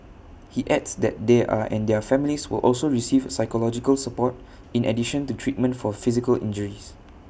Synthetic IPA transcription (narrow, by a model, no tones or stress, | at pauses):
hiʔɛdsdɛ̰t̚d̪eʔa̰ʔɛ̰̃ndɛfɛ̃miliswḭlʔɔ̰lsoɹisivsaɪkɔlɔd͡ʒikəlsəpɔt̚ | ĩnʔɛ̰diʃə̃ntutʰɹit̚mə̃ntfɔfizikəlʔḭ̃nd͡ʒəɹis